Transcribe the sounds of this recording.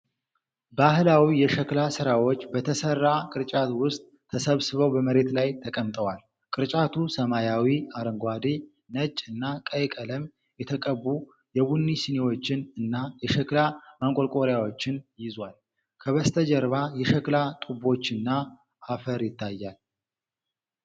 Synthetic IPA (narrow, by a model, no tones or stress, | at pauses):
bahɨlawijɛʃɛklasɨɾawot͡ʃːbət̪ʰəsərːakʼɨɾt͡ʃʼat̪wʊst̪ʼʰːəsəβsɨβəwbəməɾe̞t̪lajt̪ʰəkʼəmt̪ʼəwal | kʼɨɾt͡ʃʼat̪ʰusəmajawiaɾəŋɡʷad̪i | nət͡ʃʼːɨnːakʼəjkʼələm | jɛt̪ʰəkʼəbːu | jɛβunːisinewo̞t͡ʃːɪnɨnːajɛʃɛklamaŋkʼolkʼo̞ɾjawo̞t͡ʃːɪnjɪzwal | kʰəβəst̪ʰəd͡ʒəɾβajɛʃɛklat̪ʼubo̞t͡ʃːɨnːaː | fəɾjɪt̪ːajːal